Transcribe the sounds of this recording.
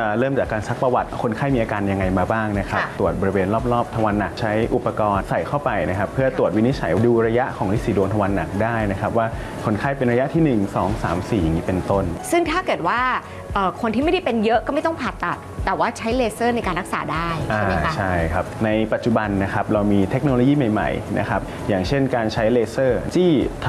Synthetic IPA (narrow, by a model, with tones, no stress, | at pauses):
ʔəː˨˩ɾɤː˥˩mt͡ɕaː˨˩kːaː˧nsʰa˦˥k̚pa˧wa˨˩t̪̚kʰo˧nkʰaː˥˩jmiː˧ʔaː˧kaː˧nja˧ŋːa˧jmaː˧baː˥˩ŋna˦˥kʰa˦˥p̚t̪u˨˩ət̪̚bɔ˧ɾi˧weː˧nlɔː˥˩p̚lɔː˥˩p̚t̪ʰa˧wa˧nːa˨˩k̚t͡ɕʰa˦˥jʔu˨˩pːa˧kɔː˧nsa˨˩jkʰa˥˩wpa˧jna˦˥kʰa˦˥pʰɯ˥˩ɐt̪u˨˩ət̪̚wi˦˥ni˦˥a˨˦jduː˧ɾa˧ja˦˥ʔkʰɔː˩˦ŋli˦˥siː˨˩˦du˧ŋt̪ʰa˧wa˧nːa˨˩k̚daː˥˩jna˦˥kʰa˦˥p̚waː˥˩ | kʰo˧nkʰaː˥˩jpe˧nɾa˧ja˦˥t̪ʰiː˥˩nɯ˨˩ŋsɔː˩˦ŋsaː˩˦msiː˨˩a˨˩ŋiː˦˥pe˧nt̪o˥˩nsɯ˥˩ŋt̪ʰaː˥˩kɤː˨˩t̪̚waː˥˩ | ʔəː˨˩kʰo˧nt̪ʰiː˥˩ma˥˩jda˥˩pe˧njɤ˦˥ʔkɔ˥˩ma˥˩jt̪ɔ˥˩ŋpʰaː˨˩t̪ːa˨˩t̪ːɛː˨˩waː˥˩t͡ɕʰa˦˥jleː˧sɤː˥˩na˧jkaː˧nɾa˦˥k̚sa̰ː˩˦daː˥˩jʔaː˧˦t͡ɕʰa˥˩jkʰa˦˥p̚na˧jpa˨˩t̪̚t͡ɕu˨˩ba˧nːa˦˥kʰa˦˥p̚ɾa˧wmiː˧t̪ʰe˦˥k̚noː˧lo˧jiː˥˩ma˨˩jma̰˨˩jnʔa̰˦˥kʰa˦˥p̚ | jaː˨˩ŋt͡ɕʰe˥˩nkaː˧nt͡ɕʰa˦˥jleː˧sɤː˥˩t̪ʰiː˥˩t̪ʰ